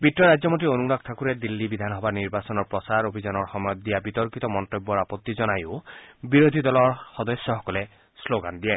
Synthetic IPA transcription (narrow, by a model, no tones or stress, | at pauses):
bitːɔɹajd͡ʒzɔmotionunak̚t̪ʰakuɾɛd̪ilːibid̪ʱanɦɔbaɹniɹbasɔnɔɹpɹɔsaɹobʱizanɔɹxɔmɔjɔt̪̚d̪ijabit̪ɔɹkit̪ɔmɔnt̪obːɔɹapɔt̪ːizɔnajʊbiɾod̪ʱid̪ɔlɔɹxɔd̪ɔsjɔxɔkɔlɛ | sloɡand̪ijɛ